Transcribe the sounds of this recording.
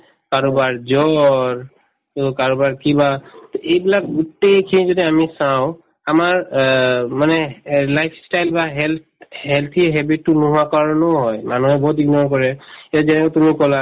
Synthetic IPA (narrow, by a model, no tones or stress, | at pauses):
kaɹɔbaɹd͡ʒɔɹ | t̪ɔkaɹɔbaɹkibat̪oʔejbilak̚ɡutejkʰinizodiamisaʊ̃ | amaɹ | manɛlajpʰstajlbaɦɛlt̪ | ɦɛlt̪ʰiɦɛbit̚ːunuɦuwakaɹɔnɔɦɔjmanuɦɛbɔɦut̪̚iɡnɔɹk̬ɔɹɛɛazɛnɛkɔt̪umikɔla